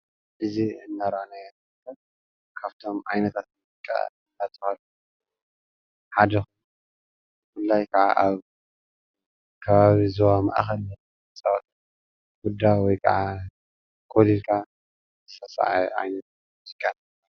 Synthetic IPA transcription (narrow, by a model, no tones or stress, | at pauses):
ʔɨziɨnːaɾanajm | kʰɐ | kʰaβt̪ʰo̞mʕajnɐt̪ʰat̪muzɨkʼːa̰ | nat̪ʼɨxalu | ħad̪ɐxun | fulːajkʰɐʕa̰ʔaβ | kʰɐβaβizowama̰ʔxɐlɐt | t͡sʼɐwat̪ʼ | wud̪ːawɔjkʰɐ̰ʕa | kʰolilkʰa | zɨ̥sɐsa̰ʕaʕa̰jnɐt̪̚ | muzikʼːanɐ | ɐ